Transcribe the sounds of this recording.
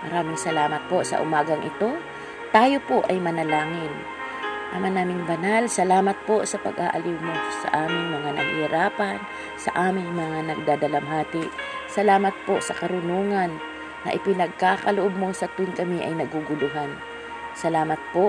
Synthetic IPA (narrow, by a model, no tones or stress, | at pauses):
mɐɾaːmɪŋsɐlaːmɐt̪̚po̞sɐ̰ʔʊmaːɡɐŋʔɪt̪o̞ | t̪aːjo̞po̞ʔɐjmɐnɐlaːŋɪn | ʔɐmanaːmɪŋbɐnalsɐlaːmɐt̪̚po̞sɐpɐ̰ɡʔa̰ʔɐliwmo̞sɐ̰ʔaːmɪŋmɐŋanɐ̰hɾaːpɐn | sɐ̰ʔaːmɪŋmɐŋanɐɡ̚d̪aːd̪ɐlɐmɦaːt̪ɪsɐlaːmɐt̪̚po̞sɐkɐɾʊnuːŋɐnː | ɐ̰ʔɪpɪnɐɡ̚kakɐlʊʔob̚mo̞sɐt̪ʊnkɐmiʔɐjnɐɡuɡʊlʊɦan | sɐlaːmɐt̪̚po